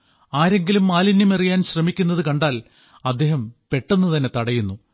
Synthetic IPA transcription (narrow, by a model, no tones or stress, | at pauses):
aːɾe̞ŋɡilumːaːlinumerijaːnɕrɐmikʲːunːɐðɨkɐɳɖaːl | ɐd̪ːe̞ːɦɐmpe̞ʈːenːut̪ɐnːe̞t̪ɐɽɐjunːu